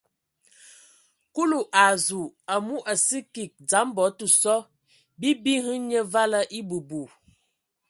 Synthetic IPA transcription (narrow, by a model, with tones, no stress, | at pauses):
ku˦lu˨ʔa˨zu˨a˨mu˦ʔa˨si˦ki˨k̚d͡za˨˦m˦bɔ˨˦tu˨sɔ˦ | bi˦bi˦hɨ˦ɲə˦va˦lə˦ʔi˦bu˨bu˨